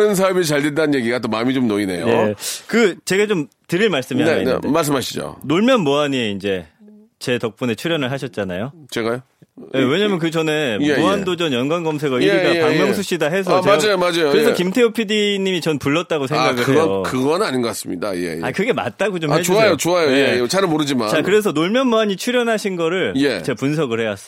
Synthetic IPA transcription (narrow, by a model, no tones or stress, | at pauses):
nɯns̬ʰabit͡ɕaɭdendanɯnje̞ɡiɡatomamit͡ɕomnoine̞̰joekɯt͡ɕe̞ɡat͡ɕomtɯɾiɭmaɭs͈ɯmiaaḭdmaɭs̬͈ɯmɦaɕʰid͡ʑo̰noɭmjʌnmoaɲieind͡ʑe̞ | t͡ɕe̞tʌk̚p͈une̞t͡ɕʰuɾjʌnɯɭɦaɕʰʌt̚t͡ɕ͈anajot͡ɕeɡajo | jewe̞ɲamjʌnkɯd͡ʑʌne̞meoandod͡ʑʌnjʌnɡwanɡʌmsʰeɡaieiɡapaŋmjʌŋsʰuɕ͈idaɦe̞s̬ʰʌad͡ʑajomad͡ʑajoɯɾes̬ʰʌkimtʰeopʰidiɲimit͡ɕʌnpuɭːʌt̚t͈aɡosʰeŋɡaɡɯɭɯejokɯɡʌnnaɲinɡʌkas͈ɯmɲida̰jḛja̰kɯɡe̞ma̰t̚t͈aɡot͡ɕomed͡ʑoajot͡ɕoajojeet͡ɕaɾɯmoɾɯd͡ʑima̰nakkɯɾe̞s̬ʰʌnoɭmjʌnmoaɲit͡ɕʰuɾjʌnɦaɕʰinɡʌɾɯɭjet͡ɕepuns̬ʰʌɡɯɭhe̞was͈ʌ